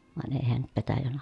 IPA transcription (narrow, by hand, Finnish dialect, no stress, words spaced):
ʋɑˑen eˑi heæn nyt petæjæn